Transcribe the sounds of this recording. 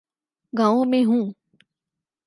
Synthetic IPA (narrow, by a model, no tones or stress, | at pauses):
ɡãːõmẽɦũː